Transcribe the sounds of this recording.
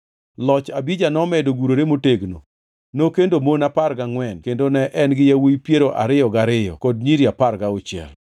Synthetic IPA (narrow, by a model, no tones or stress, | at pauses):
lɔt͡ʃabid͡ʒanɔmɛdoɡuɾoɾemoteɡno̰ | nokendomonaparɡaŋwɛnkendonɛʔɛnɡɪjawijpjeɾoʔaɾɪjɔɡaɾɪjɔ̰kɔd̚ɲiɾiaparɡaot͡ʃjɛ̰l